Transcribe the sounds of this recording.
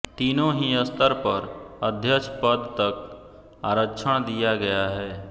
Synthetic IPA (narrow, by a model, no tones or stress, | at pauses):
t̪iːnõɦiəst̪əɾpəɾəd̪ʱjət͡ʃʰpəd̪t̪ək̚ | aːɾəkːt͡ʃʰəɽ̃d̪ijaɡɐjaɦɛː